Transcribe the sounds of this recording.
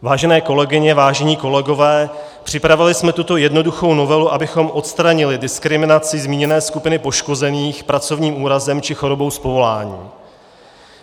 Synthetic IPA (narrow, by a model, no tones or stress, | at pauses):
vaːʒɛnɛːko̞lɛɡɪɲɛvaːʒɛɲiːko̞lɛɡo̞vɛː | pr̝̥ɪpɾavɪlɪsmɛt̪ut̪o̞jɛdno̞duxo̞wno̞vɛluʔabɪxo̞mʔo̞t̪st̪ɾaɲɪlɪdɪskɾɪmɪnat͡sɪzmiːɲɛnɛːskupɪnɪpo̞ʃko̞zɛniːxpɾat͡so̞vɲiːmʔuːɾazɛmt͡ʃɪxo̞ɾo̞bo̞wspo̞vo̞laːɲḭː